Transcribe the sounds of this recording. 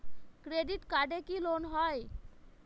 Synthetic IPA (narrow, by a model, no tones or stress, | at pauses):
kɾeɖiʈkaɖekilonɦɔj